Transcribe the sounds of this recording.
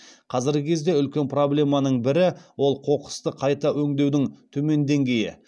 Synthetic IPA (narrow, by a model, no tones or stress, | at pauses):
qʰɑzɪɾɡʲɪkʲʰe̞zd̪e̞ʏlkʲe̞npro̞blʲe̞mɑnəɴbɪɾɪwo̞lˠqʰo̞qə̥st̪əqʰɑjt̪ɑwɵŋd̪e̞wd̪ɪŋt̪ʰɵme̞nd̪e̞ŋɡʲe̞jɪ̰